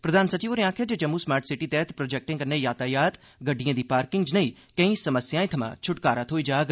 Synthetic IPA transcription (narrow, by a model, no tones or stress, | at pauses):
pɾəd̪ʱaːnsət͡ʃiːʋəɾẽãːkʰed͡ʒed͡ʒɐmːuːsmaːɾʈsɪʈiːt̪ɛːt̪pɾoːd͡ʒɛːk̚ʈɪ̃ŋkənẽjaːt̪aːjaːt̪ | ɡəɖijãːd̪iːpaːɾkɪŋɡd͡ʒnəĩːkə̃ĩːsəməsjaːẽːt̪ʰɐmã̰ːt͡ʃʰʊʈkaːɾət̪ʰɦoːiːd͡ʒaːɡ